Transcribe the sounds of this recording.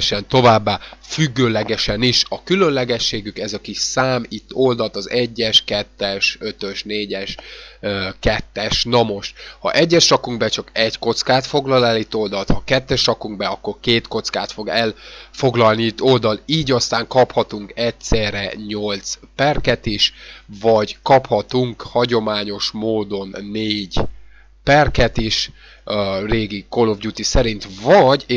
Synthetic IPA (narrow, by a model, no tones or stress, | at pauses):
ʃɛnt̪o̞vaːbːaːfyɡːøːlɛɡɛʃɛniʃɒkylø̞nlɛɡɛʃːeːɡykɛzɒkiʃsaːmit̪ːo̞ld̪ɒlt̪ɒzɛɟːɛʃkɛt̪ːɛʃø̞t̪øʃneːɟɛʃøkɛt̪ːɛʃnɒmo̞ʃt̪hɒ̰ʔɛɟːɛʃrɒkuŋɡbɛt͡ʃɒkɛɟko̞t̪skaːt̪fo̞ɡlɒlɛlit̪ːo̞ld̪ɒlt̪hɒkɛt̪ːɛʃrɒkuŋɡ̚bɛɒkːo̞rkeːt̪ko̞t̪ska̰ːt̪fo̞ɡɛlfo̞ɡlɒlniit̪ːo̞ld̪ɒliːɟɒst̪aːŋkɒphɒt̪uŋkɛtsɛːrɛɲo̞lt̪spɛrkɛt̪iʃvɒɟkɒphɒt̪uŋkhɒɟo̞maːɲo̞ʃmoːd̪o̞nːeːɟ | pɛrkɛt̪iʃ | reːɡikolo̞vɟuːt̪isɛɾint̪vɒɟ